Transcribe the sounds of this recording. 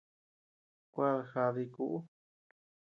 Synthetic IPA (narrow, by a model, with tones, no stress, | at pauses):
kʷa˦ðxa˧ði˧ku˧˦ʔu˦